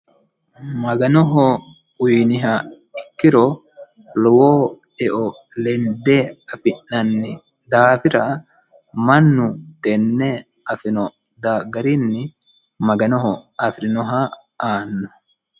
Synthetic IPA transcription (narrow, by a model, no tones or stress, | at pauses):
mɐɡɐnɔɦɔ | ʊjnɪɦa | ɪkːɪɾɔ | lɔwoː | ɛʔɔ | lɛnd̪eɐfɪnːɐnːɪ | d̪aːfɪɾɐ | mɐnːʊt̪ɛnːe | ɐfɪnɔ | d̪aːɡɐɾinːɪ | mɐɡɐnɔɦɔɐfɾɪnɔɦa | ʔaːnːʊ